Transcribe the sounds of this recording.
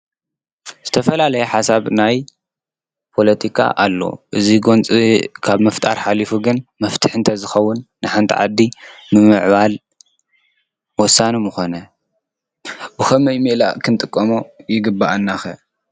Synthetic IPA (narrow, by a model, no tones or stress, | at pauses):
z̥ɨt̪ʰɐfɐlalɐjɛħasaβnaj | pʰo̞lɐt̪ʰikʰa̰ʔa̰lːo̞̰ʔɨziɡo̞nt͡sʼikʰaβmɐft̪ʼa̰ɾħalifuɡɨnmɐft̪ʰɨħɨnt̪ʰɐzɨxɐwːʊnːɨħant̪ʰḭʕa̰d̪ːimɨmɨʕβal | wɔsːanimɨxonɐ | bɨxɐmɐjmiʔla̰kʰɨnt̪ʼɨkʼːɐmojɪɡɨbːaʔanːaxɐ